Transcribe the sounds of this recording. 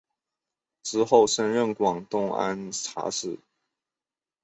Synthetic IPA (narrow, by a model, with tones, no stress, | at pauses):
ʈ͡ʂɹ̩˥xo˥˩ʊʂə˥nɻə˥˩nkwɑ˨˩ŋt̪ʊ˥˩ŋa̰˥nʈ͡ʂʰa̰˧˥ʂɻ̩˥˩